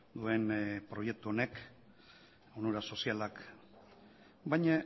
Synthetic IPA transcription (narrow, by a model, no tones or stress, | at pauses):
d̪ue̞npɾo̞je̞k̚t̪uone̞k | onuɾaso̞sialak | bajɲa